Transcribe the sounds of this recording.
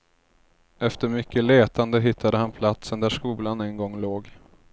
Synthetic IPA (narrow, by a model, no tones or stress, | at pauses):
ɛft̪əɾmʏkːəleːt̪and̪əɦɪt̪ʰːad̪əhanpʰlat̪sənd̪æʂkuːlanɛnɡɔŋːloːɡ